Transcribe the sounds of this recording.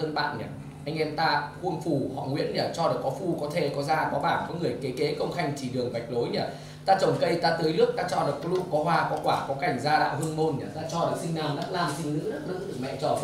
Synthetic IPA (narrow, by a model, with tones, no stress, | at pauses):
əː˧nɓa̰ː˧˨nɲa˨˩ | ʔa˧jŋ̟ʔɛ˧mt̪aː˧hu˧ənfu˧˩hɔ̰˧˨ŋwḭ˧˥ənɲaː˨˩t͡ɕɔ˧ɗɨ˨˩kːɔ˨˦fu˧kɔ˨˦t̪ʰe˧˩kɔ˨˦zaː˧kɔ˨˦ɓaː˧˩nkɔ˨˦ŋɨ˨˩əjke˨˦ke˨˦kə˧wŋ͡mxa˧jŋ̟t͡ɕ̪ʰi˧˩ɗɨ˨˩əŋva˨˩jk̟̚lo˨˦jɲa˨˩ | t̪aː˧t͡ɕə˨˩nkə˧jt̪aː˧t̪ɨː˨˦jlɨ˦˥ək̚t̪aː˧t͡ɕɔ˧ɗɨ˨˩kːɔ˨˦lṵ˧˥kɔ˨˦ɦwaː˧kɔ˨˦kwaː˧˩kɔ˨˦ka˨˩jŋ̟zaː˧ɗa̰ː˧˨whɨ˧ənmo˧nɲa˨˩t̪aː˧t͡ɕɔ˧ɗɨ˨˩ksï˧ŋnaː˨˩mna˦˥laː˧˩msi˧ŋzɨ̰˧˥ɗə˦˥k̚lɨ̰˧˥ɗɨ˨˩k̚mɛ̰˧˨t͡ɕɔː˨˩